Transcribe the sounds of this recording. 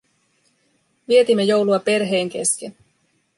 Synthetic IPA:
ʋie̞t̪imːejo̞wluɑpe̞rɦe̞ːŋk̟e̞̰sken

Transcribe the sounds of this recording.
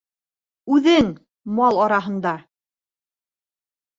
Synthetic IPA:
ʉðɘŋ | mɑlˠɑɾɑɦɤ̆nd̪ɑ

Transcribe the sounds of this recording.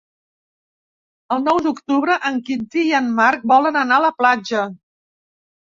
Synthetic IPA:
əlˠnɔwd̪ukt̪uβɾəʔəŋkind̪iiənmark̚bɔlənənaələplad͡ʒə

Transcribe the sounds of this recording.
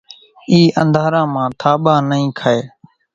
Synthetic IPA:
iːʔənd̪ʱaːɾãːmãːt̪ʰaːɓãːnəĩːkʰaeː

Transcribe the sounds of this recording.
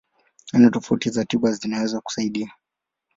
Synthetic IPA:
anɔtɔfautizatiɓazinawɛzwaku̥saiɗia

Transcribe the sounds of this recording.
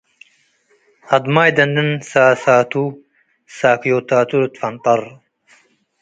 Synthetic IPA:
ɐd̪maːjd̪ɐnd̪ənsaːsaːt̪u | saːkjoːt̪aːt̪uɾt̪fɐnt̪ɑɾ

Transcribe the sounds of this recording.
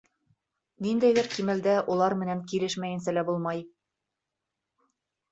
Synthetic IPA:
nind̪æbɘɾkimɘ̆ld̪æʔulˠɑɾmɘ̆næŋkilɘʃmæjɘ̆nsælæbulˠmɑj

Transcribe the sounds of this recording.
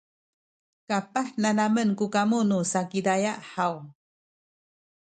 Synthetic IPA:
kapahnanamənkukamunusakidajaʔhaw

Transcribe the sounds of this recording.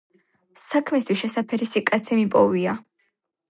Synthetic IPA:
sakʰmist̪ʰwisʃɛsapʰɛɾisikʼat̪sʰimipʼɔvia

